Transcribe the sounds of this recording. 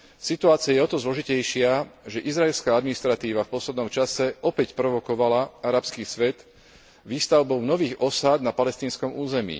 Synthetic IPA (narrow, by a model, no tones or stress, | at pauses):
sit̪uaːt͡siɪajɛɔt̪ɔzlɔʒicɛjʃɪaʒɛʔizɾaɛlskaːad̪minist̪ɾat̪iːʋafpɔslɛd̪nɔmt͡ʃasɛʔɔpɛcpɾɔʋɔkɔʋalaaɾapskiːsʋɛd̪ | ʋiːst̪aʊbɔʊnɔʋiːɣɔsad̪napalɛst̪iːnskɔmuːzɛmḭː